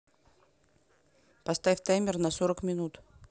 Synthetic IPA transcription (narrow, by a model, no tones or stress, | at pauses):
pɐst̪afʲt̪ajmʲɪrnɐsoɾəkmʲɪnut̪